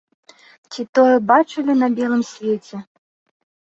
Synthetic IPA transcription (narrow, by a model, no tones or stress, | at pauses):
t͡sʲit̪ɔjɛbat͡ʂɨlʲinɐbʲɛlˠɨmsʲvʲet͡sʲɛ